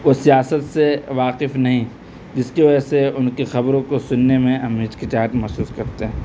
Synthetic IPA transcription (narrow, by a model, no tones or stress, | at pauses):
ʋosijaːsət̪seʋaːqɪfnɐɦĩ | d͡ʒɪskeʋɐd͡ʒɛseʊnkexɐbɾõkosʊnːemẽɐmɦɪt͡ʃkit͡ʃaːʈ̪mɛɦsuːskɐɾt̪eɦɛ̃ː